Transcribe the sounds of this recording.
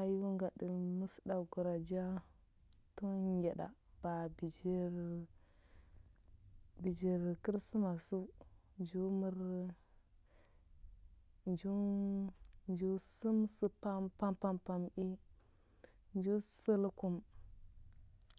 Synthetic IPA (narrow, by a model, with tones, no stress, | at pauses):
a˦ju˦ŋɡa˨də˨mu˦sda˨ɡu˨ɾa˨d͡ʒa˦ | to˦ɡe˨ɗa̰˨b̥a˨bi˨d͡ʒi˦ɾ | bi˨d͡ʒi˨ɾki˦ɾsu˦ma˨su˦ | d͡ʒu˦mu˦ɾ | d͡ʒu˦ | d͡ʒu˦su˦msə˦pa˦mpa˦mpa˦mpa˨mʔi˦ | nd͡ʒu˦sə˦lku˦m